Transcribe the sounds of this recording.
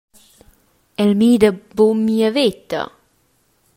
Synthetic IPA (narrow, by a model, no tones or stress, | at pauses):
ɛlmiːd̪əbomiəvet̪ə̰